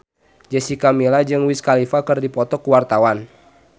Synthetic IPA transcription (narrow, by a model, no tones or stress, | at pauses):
d͡ʒəsikamilad͡ʒɨŋwiskalifakɨrdipɔt̪ɔkuwart̪awan